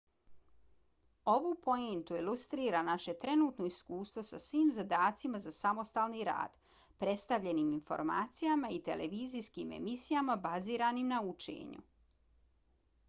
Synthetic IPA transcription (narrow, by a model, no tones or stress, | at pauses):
o̞ʋopo̞ent̪uilˠust̪ɾiːɾanaʃe̞t̪ɾe̞nuːt̪noiskuːst̪ʋo̞sasʋiːmzad̪aːt̪simazasamo̞st̪aːlniɾa̰ːd̪̥ | pɾe̞t̪st̪aʋʎe̞niminfo̞̰ɾma̰ːt̪sijamait̪ḛlʔeʋiːziskimḛmisijamabaziːɾanimnaut͡ʃḛɲṵ